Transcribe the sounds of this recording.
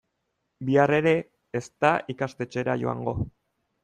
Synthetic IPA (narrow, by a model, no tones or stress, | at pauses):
biare̞ɾe̞ | est̪aikast̪e̞t͡ʃe̞ɾaʝo̞̰a̰ŋɡo̞̰